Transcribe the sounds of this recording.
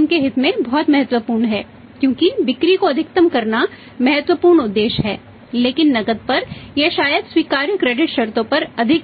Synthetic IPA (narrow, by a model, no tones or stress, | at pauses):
nkeɦɪt̪mẽbɔːt̪mɐɦət̪wəpuːɾɳɦɛː | kjõːkibɪkɾikoɐd̪ʱɪk̚t̪əmkɐɾna | mɐɦət̪wəpuːɾɳʊd̪ːeːʃɦɛ̰ː | leːkɪnːɐɡəd̪̚pɐɾjeʃaːjəd̪swiːkaːɾjəkːɾeːɖɪʈʃɐɾt̪õpɐɾɐd̪ʱɪk